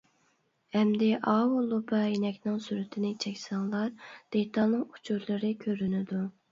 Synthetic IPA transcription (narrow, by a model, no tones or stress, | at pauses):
hɛmd̪ɪʔɑːwulˠːupɑjinɛkʲnɪŋsyɾyt̪ʰɪnɪt͡ʃʰɛkʲsɑŋlˠɑɾd̪̥et̪ʰɑlˠnɨŋu̥t͡ʃʰuɾlˠɨɾɪkʲʰøɾynɪd̪u